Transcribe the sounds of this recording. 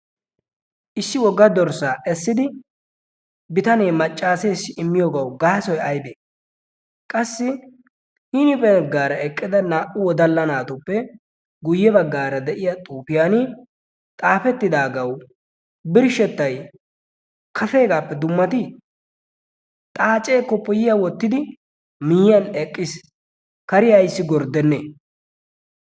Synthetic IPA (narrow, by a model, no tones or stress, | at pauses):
ʔɪsːɪwɔɡːɐd̪ɔɾsaːʔɛsːɪd̪ɪ | bɪt̪ɐneːmɐt͡ʃʼːaːse̞ːsːɪɪmːɪjoːɡɐwɡaːsɔjɐjbeː | kʼɐsːɪ | ɪnɪpɛɡːaːɾɐɛkʼːɪd̪ɐnaːʔʊwɔd̪ɐlːɐnaːt̪ʊpːɛ | ɡʊjːɛbɐɡːaːɾɐd̪ɛʔɪjat̪ʼuːfɪjanɪ | t̪ʼaːfɛt̪ːɪd̪aːɡɐw | bɪɾʃɛt̪ːɐj | kʰɐfe̞ːɡaːpːɛd̪ʊmːɐt̪ɪ | t̪ʼaːt͡ʃʼeːkːɔpːɔjɪjawɔt̪ːɪd̪ɪ | mɪjjɐnɛkʼːɪs | kɐɾɪjɐjsːɪɡɔɾd̪ɛnːeː